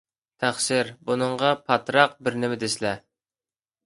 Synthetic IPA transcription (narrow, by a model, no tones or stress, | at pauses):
t̪ʰæχʃɪɾbunɨɴʁɑpʰɑt̪ɾɑq̚bɪɾnɪmɪd̪ɪslɛ